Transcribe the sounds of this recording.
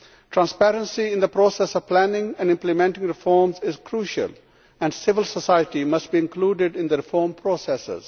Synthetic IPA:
ʈʰɾãnspɛɾə̃nsiɪ̃nd̪əpɾoːsɛsɔʋplænɪ̃ŋɛ̃nɖɪ̃mplɪmɛ̃ɳʈɪ̃ŋɾɪfɔːmzɪzkʰɾuːʃə̰l | æ̃ɳɖsɪʋəlsəsaɪəʈimʌsʈ̚biɪ̃nkluːɖɪɖɪ̃nd̪əɾɪfɔːɾmpʰɾoːsɛsɪ̰z̥

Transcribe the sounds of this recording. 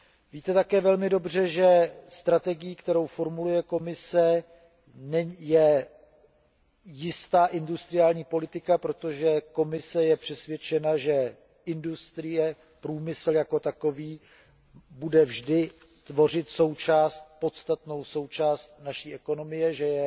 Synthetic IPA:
viːt̪ɛt̪akɛːvɛlmɪdo̞br̝ɛʒɛst̪ɾat̪ɛɡɪjiːkt̪ɛɾo̞wfo̞ɾmulujɛko̞mɪsɛ | nɛjɛ | jɪst̪aːʔɪndust̪ɾɪjaːlɲiːpo̞lɪt̪ɪkapɾo̞t̪o̞ʒɛko̞mɪsɛjɛpr̝̥ɛsvjɛt͡ʃɛnaʒɛ | ɪndust̪ɾɪjɛ | pɾuːmɪsl̩jako̞t̪ako̞viː | budɛvʒdɪ | t̪vo̞r̝ɪt̪so̞wt͡ʃaːst̪̚po̞t̪st̪at̪no̞wso̞wt͡ʃaːst̪naʃiːʔɛko̞no̞mɪjɛʒɛjɛ

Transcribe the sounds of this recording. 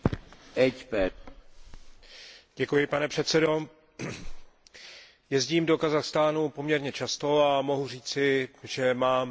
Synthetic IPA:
ʔɛt͡ʃpɛ | ɟ̥ɛkujɪpanɛpr̥ɛt̪t͡sɛdo̞ | jɛzɟiːmdo̞kazaxst̪aːnupo̞mɲɛɾɲɛt͡ʃast̪o̞amo̞ɦur̝iːt͡sɪʒɛmaːm

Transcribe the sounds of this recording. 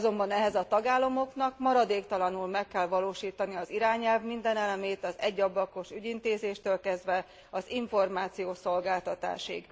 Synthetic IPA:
zo̞mbɒnɛɦɛzɒt̪ɒɡaːlːɒmo̞knɒkmɒɾɒd̪eːkt̪ɒlɒnulmɛkːɛlvɒloːʃiːt̪ɒniɒziɾaːɲɛlvmind̪ɛnɛlɛmeːt̪ɒzɛɟːɒblɒko̞ʃyɟint̪eːzeːʃt̪øːlkɛzd̪ʋɛ | ɒziɱfo̞rmaːt̪sijoːso̞lɡaːlt̪ɒt̪a̰ːʃḭɡ

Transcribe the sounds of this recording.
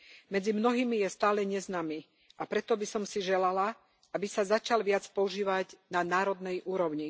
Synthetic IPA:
mɛd͡zimnɔɦiːmijɛst̪aːlɛɲɛznaːmi | ʔapɾɛt̪ɔbisɔmsiʒɛlala | abisazat͡ʃalʋɪat͡spɔuʒiːʋaɟnanaːɾɔd̪nɛjʔuːɾɔʊɲi

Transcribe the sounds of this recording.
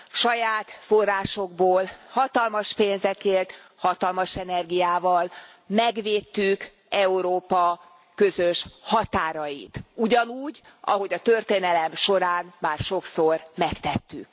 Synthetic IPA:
ʃɒjaːt̪fo̞rːaːʃo̞ɡ̚boːlhɒt̪ɒlmɒʃpeːnzɛkeːrt̪ | hɒt̪ɒlmɒʃɛnɛrɡijaːvɒl | mɛɡʋeːt̪ːyk | ɛuɾoːpɒ | kø̞zøʃhɒt̪aːɾɒjit̪uɟɒnuːɟɒ̰ɦo̞ɟɒt̪ø̞rt̪eːnɛlɛmʃo̞ɾaːnmaːrʃo̞ksormɛkt̪ɛt̪ːyk̚

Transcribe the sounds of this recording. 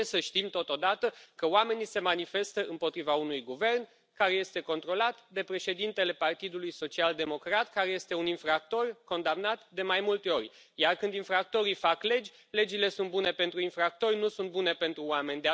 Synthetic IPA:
esəʃt̪imt̪o̞t̪o̞d̪at̪əkəoame̞nise̞manife̞st̪əʔɨmpo̞t̪ɾivaunujɡuve̞rn | kaɾe̞je̞st̪e̞ko̞nt̪ɾo̞lat̪d̪e̞pɾe̞ʃe̞d̪int̪e̞le̞part̪id̪ulujso̞t͡ʃiald̪e̞mo̞kɾat̪kaɾe̞je̞st̪e̞uninfɾak̚t̪o̞rko̞nd̪amnat̪d̪e̞majmult̪e̞o̞rʲ | jarkɨnd̪infɾak̚t̪o̞ɾifakle̞d͡ʒʲ | le̞d͡ʒile̞sunt̪̚bune̞pe̞nt̪ɾuinfɾak̚t̪o̞rʲnusunt̪̚bune̞pe̞nt̪ɾuoame̞nʲd̪e

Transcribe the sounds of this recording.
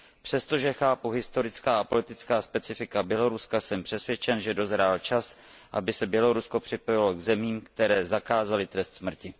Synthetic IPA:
pr̥ɛst̪o̞ʒɛxaːpuɦɪst̪o̞ɾɪt͡skaːapo̞lɪt̪ɪt͡skaːspɛt͡sɪfɪkabjɛlo̞ɾuskasɛmpr̥ɛsvjɛt͡ʃɛnʒɛdo̞zɾaːlt͡ʃas | ʔa̰bɪsɛbjɛlo̞ɾusko̞pr̥ɪpo̞jɪlo̞ɡzɛmiːmkt̪ɛɾɛːzakaːzalɪt̪ɾɛst̪smr̩cɪ

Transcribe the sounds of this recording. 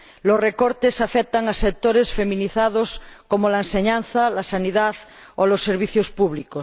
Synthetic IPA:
losrekoɾt̪esafek̚t̪aŋasek̚t̪oɾesfemĩniθaðoskomolaenseɲãn̟θalasaniðað | olosːeɾβiθjospuβlikos

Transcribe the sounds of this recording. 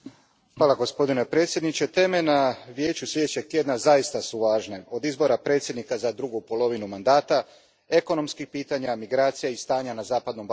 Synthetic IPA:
xʋaːlaɡo̞spo̞d̪ine̞pɾe̞ːt̪sʲje̞d̪nit͡ɕe̞t̪e̞menaʋje̞ːt͡ɕuslʲed̪et͡ɕe̞ɡ̚t̪je̞d̪nazaist̪asuʋaːʒne̞o̞d̪izbo̞ɾapɾe̞t̪sjed̪nikazad̪ɾuɡupo̞lˠo̞ʋinumand̪aːt̪a | e̞ko̞no̞mskixpiːt̪aɲamiɡɾaːt̪sijaist̪aːɲanazaːpad̪no̞mb

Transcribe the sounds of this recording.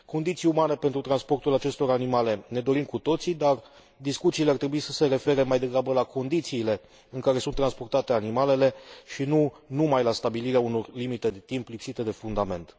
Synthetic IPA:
ko̞nd̪it̪siumane̞pe̞nt̪ɾut̪ɾanspo̞rt̪ulat͡ʃe̞st̪o̞ɾanimale̞ne̞d̪o̞ɾimkut̪o̞t̪sid̪ar | d̪iskut̪siːleart̪ɾe̞buisəse̞ɾe̞fe̞ɾe̞majd̪e̞ɡɾabəlakʰo̞nd̪it̪siːle̞ | ɨŋkaɾe̞sunt̪ːɾanspo̞rt̪at̪e̞animale̞le̞ʃinunumajlast̪abiliɾeauno̞rlimit̪e̞d̪e̞t̪implipsit̪e̞d̪e̞fund̪ame̞nt̪

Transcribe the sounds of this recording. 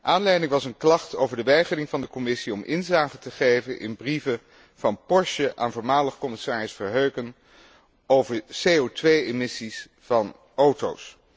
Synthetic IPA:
ʔaːnlɛjdɪŋʋɑsənklɑχtowvəɹdəʋɛjχərɪŋvɑndəkɔmɪsiɔmʔɪnzaːχətəχejvənʔɪ̰nbrivə | v̥ɑnpɔɹʃəʔa̰ːnvʊːɹmaːləχkɔmɪsaːrəsfəɹɦøɥkən | owvəɹsejowtʋejemɪsis | fɑn | owto̰ws

